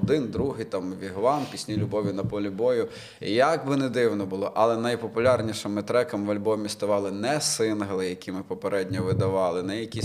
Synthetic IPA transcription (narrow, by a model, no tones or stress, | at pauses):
d̪ɪnd̪ɾuɦɪjt̪ɑmʋʲiɦʋɑmpʲisʲnʲilʲʊbɔʋʲinɐpɔlʲibɔjʊ | jɐɡbɪnɛd̪ɪwnɔbʊlˠɔʔɐlˠɛnɐjpɔpʊlʲarnʲiʃɪmɪt̪ɾɛkɐmʋɐlʲbɔmʲist̪ɔʋɑlˠɪnɛsɪnɦɐlˠɪjɐkʲimɪpɔpeɾɛdʲnʲɔʋɪd̪ɐʋɑlˠɪnɛjɐkʲi